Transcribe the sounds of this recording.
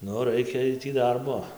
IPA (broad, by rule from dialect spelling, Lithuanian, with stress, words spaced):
ˈnʊ rɐɪˈkʲeːj ˈtʲiː ˈdɐrboː